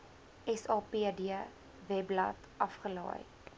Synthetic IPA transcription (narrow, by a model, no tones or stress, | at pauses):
ʔɛsɑːpiːdiə | vɛblɐ̰t | ʔɐfχəlɑ̰ːjt